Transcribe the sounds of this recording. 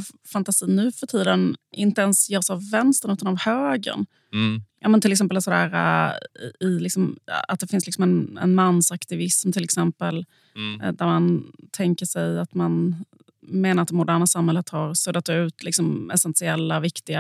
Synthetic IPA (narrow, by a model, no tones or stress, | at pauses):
vfant̪asiːnːʉ̟ːfœʈʰiːd̪ənʔɪnt̪əɛnsjœːɾsavːɛnst̪əɾɳʉ̟ːt̪anavhøːɡə̰ɳ | jʔɑ̰ːmɛnt̪ɪlɛksɛmpəlsɔd̪æːɾa̰ | ɪlɪksɔma̰t̪̚d̪ɛfɪnslɪksɔmɛnɛ̰nmanːsakt̪ɪvɪsmt̪ʰɪlɛksɛmpəl | d̪æɾmant̪ʰɛŋkəʂɛjat̪man | meːnaɾat̪̚d̪ɛmʊd̪æːɾɳasamhɛlːət̪haɾsɵd̪ːat̪ʉ̟ːt̪lɪksɔmɛ̰sɛnsɪɛlːavɪkt̪ɪɡa